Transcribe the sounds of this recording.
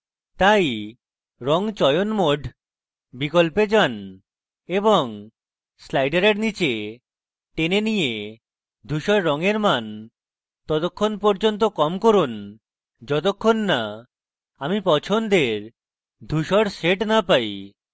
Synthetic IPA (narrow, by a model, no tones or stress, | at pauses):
t̪aj | ɾɔŋt͡ɕɔjonmoɖʱ | bikolped͡ʑan | eboŋ | slajɖaɾeɾnit͡ɕe | ʈenenije | d̪ʱuʃɔɾːɔŋeɾman | t̪ɔt̪okʰːonpɔɾd͡ʑont̪̬okɔmkoɾun | d͡ʑɔt̪̬okʰːonːa | amipɔt͡ɕʰond̪eɾ | d̪ʱuʃɔɾseʈnapaj